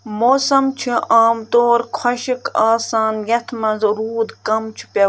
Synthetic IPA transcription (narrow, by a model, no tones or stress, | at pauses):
moːsɐmt͡ʃʰiaːmt̪oːɾkʰwɐʃikaːsaːnjɐt̪ʰmɐnzɾuːd̪kɐmt͡ʃʰi̥pɐ